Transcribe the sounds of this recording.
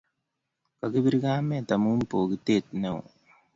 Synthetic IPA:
ka˨ki˦bi˦ɾi˦kaː˦mɛ˦˨ta˨mu˦m̩˦poː˨ki˨te˦˨t̚nɛ˨w

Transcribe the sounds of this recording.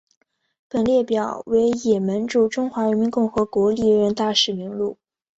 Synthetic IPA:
pə˨˩nljɛ˥˩pjɑ˨˩˦ʊwe˧˥ɪjɛ˨˩mə˧˥nʈ͡ʂu˥˩ʈ͡ʂʊ˥ŋxwa˧˥ɻə˧˥nmi˧˥nkʊ˥˩ŋxɤ˧˥kwɔ˧˥li˨˩˥ɥɛ˧˥nt̪a˥˩ʂɻ̩˨˥˩mi˧˥ŋlu˥˩

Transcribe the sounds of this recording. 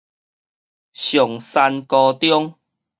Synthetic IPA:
ɕjɔ˨˩ŋsa˧nkɔ˧t̪jɔ˦ŋ

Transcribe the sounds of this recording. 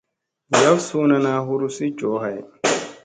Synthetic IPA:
ja˦wsuː˦na˦naː˨˦ɦu˦ɾu˦si˦d͡ʒɔː˨˦ɦa˨j

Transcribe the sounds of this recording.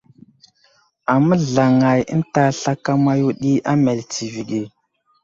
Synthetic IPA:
a˨mə˦ɮa˨ŋa˨jə̰˦n˦ta˨ɬa˦ka˦ma˦ju˦ɗi˦ʔa˦me˨lt͡si˨vi˨ɡi˨

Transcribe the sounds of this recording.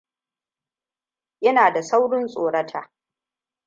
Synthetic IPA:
jɐ˦naː˨da˨sa˦wɽɪ˦nsʼoː˨ɽɐ˦tʰaː˨

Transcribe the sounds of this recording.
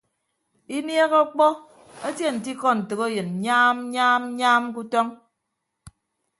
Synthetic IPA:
i˦nje˦ɣɔ˦k͡pɔ˦ | e˦tje˦˨n̩˨ti˦kɔ˦n̩˨tɨ˨ɣe˦jɨ˨n̩˨ɲaː˦m˦ɲaː˦m̩˦ɲaː˦mk̬u˦tɔ˦ŋ

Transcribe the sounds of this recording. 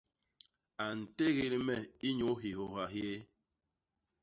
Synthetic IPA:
a˨n̩˨te˦ɣe˦li˦mɛ˦˨i˦ɲo˨˦ɦi˨ho˨ɦa˨ɦje˦

